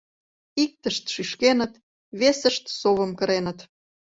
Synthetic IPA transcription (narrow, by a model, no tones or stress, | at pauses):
ik̚t̪əʃt̪ʃyʃkenət̪ | βesə̆ʃt̪soβə̆mkə̆ɾenət̪